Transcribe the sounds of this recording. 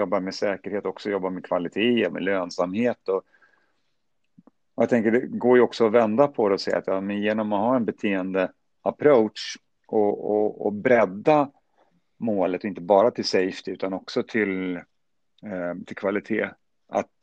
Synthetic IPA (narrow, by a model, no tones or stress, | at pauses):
jɔbːaɾmɛsɛːkəɾheːt̪ɔksɔjɔbːaɾmekʰv̥alɪt̪ʰeːɔmɛ̰løːnsamheːt̪ɔ | ɔjat̪ʰɛŋkəɖɛɡoːɾjɔksɔɔvɛnd̪apʰɔd̪ɛɔsɛjːa̰t̪jɑːmɛnjeːnɔmɔhaːɾɛnbɛt̪ʰeːənd̪ə | apʰɾoʊtʂ | ɔɔɔ̰bɾɛd̪ːa | moːlət̪ɔɪnt̪əbɑːɾat̪ʰɪlsɛjft̪ʰɪʉ̟ːt̪anɔksɔt̪ʰɪl | t̪ʰɪlkʰvalɪt̪ʰḛː | a̰t̪